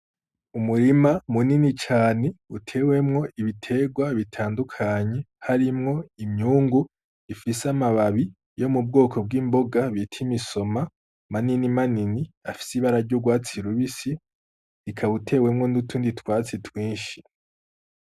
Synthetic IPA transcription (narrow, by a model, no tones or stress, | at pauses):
umuɾimamuninit͡ʃaːne̞utʰe̞we̞mŋo̞ʔiβitʰe̞ːɡwaβitʰaːndukʰaɲe̞ | haɾimŋo̞imɲuːŋɡu | ifisamaβaβi | jo̞mub̚ɡo̞ːkʰo̞b̚ɡiːmbo̞ɡaβitʰimiso̞ma | maninimaniniafi̥siβaɾaɾɟuɡwaːt͡siɾuβisi | ikʰaβutʰe̞ːwe̞mŋo̞nutʰuːnditwaːt͡sitwiːnʃi̥